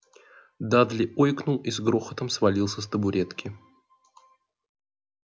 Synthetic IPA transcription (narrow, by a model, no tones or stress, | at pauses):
d̪ad̪lʲɪʔojknulˠizɡɾoxət̪əmsvɐlʲilˠsʲəs̬t̪əbʊɾʲet̪kʲʰɪ